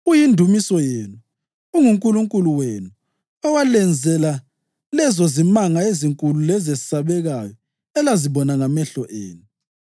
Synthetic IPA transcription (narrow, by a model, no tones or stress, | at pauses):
ujindʱumisɔjeːnu | uŋuŋkʼuluŋkʼuluwenu | ɔwalɛnd͡zʱɛla | lɛzɔzimaŋaeziŋkʼululɛzezisaβɛɣajɔ | ɛlaziβɔnaŋamɛɬɔʔḛːnu